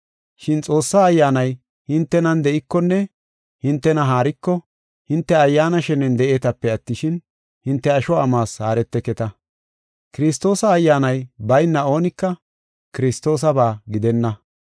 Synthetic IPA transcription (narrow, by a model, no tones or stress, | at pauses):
ʃɪnt͡sʼo̞ːsːaːjːaːnɐj | hɪnt̪ːɛnɐnd̪ɛʔɪkːɔnːɛ | hɪnt̪ːɛnɐɦaːɾɪkːɔ | hɪnt̪ːɛɐjːaːnɐʃɛnɛnd̪ɛʔe̞ːt̪ɐpːɛɐt̪ːɪʃɪn | hɪnt̪ːɛɐʃɔɐmaːshaːɾɛt̪ːɛkɛt̪ɐ | kɪɾɪst̪o̞ːsɐːjːaːnɐjbɐjnːɐo̞ːnɪkːɐ | kɪɾɪst̪o̞ːs̬ɐbaːɡɪd̪ɛnːɐ